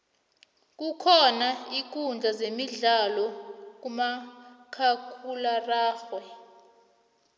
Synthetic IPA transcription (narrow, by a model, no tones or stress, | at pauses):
k̬ʼukʰɔnaik̬ʼund͡ɮʱazemiɮalɔk̬umakʰakʰularaːxwɛ